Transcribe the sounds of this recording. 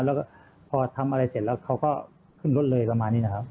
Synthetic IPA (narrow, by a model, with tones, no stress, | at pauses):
lɛː˦˥kɔ˥˩ | pʰɔː˧t̪ʰa˧mʔa˧ɾa˧jsi˨˩t̚lɛː˦˥wkʰa˦˥wkɔː˥˩ | kʰɯ˥˩nlo˦˥t̪̚lɤː˧jpɾa˧maː˧nːiː˦˥na˦˥kʰa˦˥p̚